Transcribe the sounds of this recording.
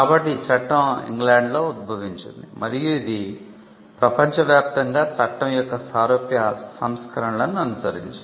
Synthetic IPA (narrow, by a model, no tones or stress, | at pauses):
kaːbɐʈːit͡ʃɐʈːɐ̃mḭŋɡlaːɳɖlo̞ːud̪̚bʱɐʋiɲt͡ʃund̪imɐɾijuid̪i | pɾɐpɐɲt͡ʃɐʋjaːp̚t̪ɐŋɡaːt͡ʃɐʈːɐmjɔkːɐsaːɾoːpjɐsɐmskɐɾɐɳɐlɐnːuɐnusɐɾḭɲt͡ʃ